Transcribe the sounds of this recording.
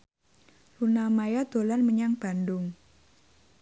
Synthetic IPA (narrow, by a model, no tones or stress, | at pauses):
lunamajad̪̥olanməɲaŋb̥a̤ndʊŋ